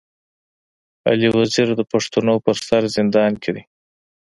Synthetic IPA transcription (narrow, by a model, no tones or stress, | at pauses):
a̰liwaziɾd̪əpaʂt̪unopəɾst̪aɾzɪnd̪ɑnkʰed̪i